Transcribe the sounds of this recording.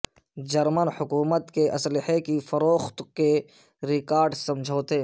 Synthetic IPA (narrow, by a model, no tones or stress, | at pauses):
d͡ʒɐɾmənhʊkuːmət̪keʔɐslɪhekifɐɾoːxt̪ke | ɾɪkaːɾɖsɐmd͡ʒʱoːt̪e